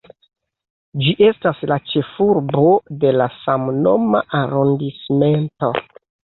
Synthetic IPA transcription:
d͡ʒiʔe̞staslat͡ʃe̞fuɾbo̞de̞lasamno̞̰maʔaɾondisme̞nto̞

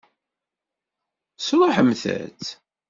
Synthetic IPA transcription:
slˤoħəmθæ̰t͡s

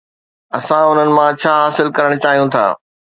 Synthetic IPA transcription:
ɐsãʊn̤ənɪ̆mãt͡ɕʰaːɦaːsɪlkɐɾəɽ̃ʊt͡ɕaːɦijũt̪ʰa̰ː

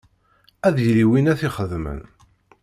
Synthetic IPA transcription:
æðjliwinæθiχəðmə̰n

